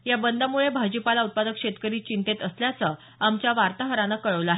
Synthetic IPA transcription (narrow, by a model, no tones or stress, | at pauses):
jabənd̪amuɭebʱad͡ʑipalaut̪̚pad̪əkʂet̪kəɾiːt͡ɕint̪et̪əsljat͡sə | amt͡ɕjaʋaɾt̪aɦəɾanakəɭəʋlaɦe